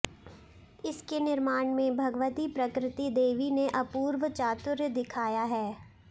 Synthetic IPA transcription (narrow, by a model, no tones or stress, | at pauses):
ɪskenɪɾmaːɳ̃mẽbʱɐɡəʋət̪ipɾɐkɾɪt̪id̪eːʋineʔɐpuːɾʋət͡ʃaːt̪ʊɾjəd̪ɪkʰaːjaɦɛː